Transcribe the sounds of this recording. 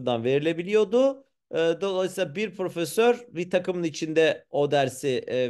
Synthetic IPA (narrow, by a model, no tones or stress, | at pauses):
nd̪anve̞ɾilʲe̞bilʲijo̞d̪ʊ | ɯːd̪o̞lˠajsilˠabiɾpʰɾo̞fesøɾbit̪ʰakɯmɯnit͡ʃʰind̪ɛo̞d̪æɾsi